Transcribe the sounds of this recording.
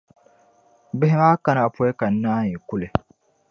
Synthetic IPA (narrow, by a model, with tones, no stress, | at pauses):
bɪ˦ɦɪ˦maː˦ka˦na˨pɔ˦ɛ˦ka˨n̩˦nːaː˦ɲi˨ku˦le˨